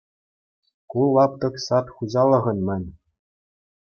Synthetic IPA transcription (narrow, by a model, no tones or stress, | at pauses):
kulˠːɑp̚t̪ɤ̆ksɑt̪χuzɑlˠːɤ̆ʁɤ̆nʲmʲɘ̆nʲ